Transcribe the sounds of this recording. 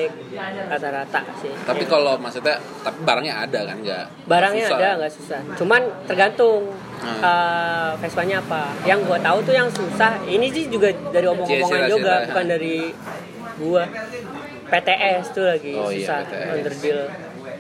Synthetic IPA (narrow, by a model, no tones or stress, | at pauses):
k̚ | kat̪aɾat̪a̰ʔsɪht̪apikalomasut̪a | t̪apibaɾaŋɲaa̰dakanɡa̰ʔ | baɾaŋɲaːdaŋɡaʔsusaht͡ʃumant̪ərɡant̪ʊŋ | əfɛspaɲaːpajaŋɡuat̪aut̪ujaŋsusahinid͡ʒɪd͡ʒuɡadaɾiɔmomoŋand͡ʒoɡabukandaɾi | ɡua | pet̪eʔɛst̪ʊlaɡisusahɔndərdɪl